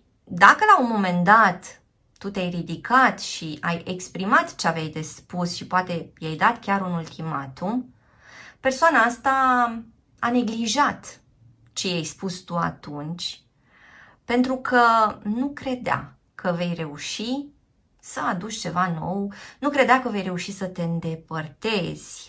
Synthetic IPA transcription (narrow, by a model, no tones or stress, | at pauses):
d̪akəlaunmo̞me̞nd̪at̪ː | ut̪eajrid̪ikʰat̪ʃiaje̞kspɾimat̪t͡ʃeavejd̪e̞spusʃipoat̪e̞jejd̪at̪kʲaɾunult̪ʰima̰t̪um | pe̞rsoanaast̪a | ane̞ɡliʒat̪ | t͡ʃejajspust̪ua̰t̪unt͡ʃʲ | pe̞nt̪ɾukʰənukɾe̞d̪ea̰ | kʰəve̞jre̞uʃi | səad̪ut͡ʃʲt͡ʃe̞vano̞wnukɾe̞d̪eakəve̞jɾe̞uʃisət̪e̞ɨnd̪e̞pərt̪e̞z̥ʲ